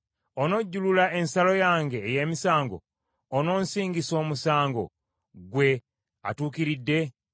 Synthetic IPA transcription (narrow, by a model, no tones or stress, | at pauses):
ono̞ɟːululae̞nsalo̞jaːŋɡeːje̞ːmisaːŋɡo̞̰ː | no̞ːnsiːŋɡiso̞ːmusaːŋɡo̞̰ | ɡwe̞ | a̰tuːkiɾidːe̞